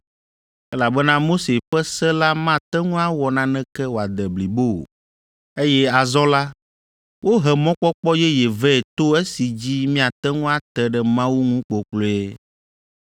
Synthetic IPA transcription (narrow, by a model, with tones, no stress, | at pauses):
ɛ˦la˨bɛ˦nã˦mo˦se˨ɸɛ˦sɛ˦la˦mã˦t̪ɛ˦ŋũ˦a˦wɔ˨nã˦nɛ̃˦kɛ˦wo˨a˨d̪ɛ˨bli˨bo̰˦˨ | e˦jɛ˦a˨zɔ˦la˦ | wʔo˦ɦɛ˨mɔ̃˦k͡pɔ˦k͡pɔ˦jɛ˦jɛ˨vɛ˦ɛ˨t̪o˦ɛ˦si˨d͡ʑi˦mĩ˦a˨t̪ɛ˦ŋũ˦a˦t̪ɛ˦ɖɛ˦mã˦wu˦ŋũ˦k͡po˨k͡plo˦ɛ˦